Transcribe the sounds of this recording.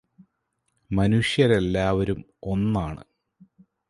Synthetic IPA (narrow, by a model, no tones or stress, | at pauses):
mɐnuʂjɐɾe̞lːaːʋɐɾum | o̞nːaːɳɨ̰